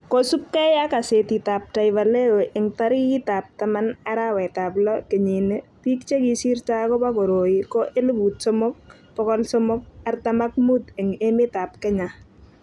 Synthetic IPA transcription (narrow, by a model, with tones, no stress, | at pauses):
kosu˦p̚kɛ˦ja˦ka˨se˨ti˨ta˨p̚ta˨jvale˦wo˨ʔɪ˨ŋtaɾi˦ji˦ta˨p̚tama˦na˦ɾawɛ˨ta˨plɔ˦ke˨ɲi˨neti˦kt͡ʃe˦ki˦si˦ɾt͡ʃa˦kɔ˦pa˦ko˨ɾo˨ikɔʔe˦li˦bu˨t̚sɔmʊ˦k̚ | pɔ˦kɔ˦lsɔmʊk̚a˨rtama˦k̚mu˦te˨ŋemɪ˦ta˨p̚kɛ˦ɲa